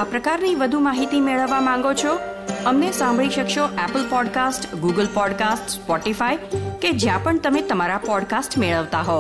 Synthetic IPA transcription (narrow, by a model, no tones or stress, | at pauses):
apɾəkaɾniʋəd̪ʱumaɦit̪imeɭəʋːamãŋ̆ɡot͡ʃʰo | əmnesãmbʱɭiʃəkʃoʔɛpəlpɔɖkasʈɡuɡəlpɔɖkasʈspɔʈifaiked͡ʒjãpəɳt̪əmet̪əmaɾapɔɖkasʈmeɭəʋt̪aɦo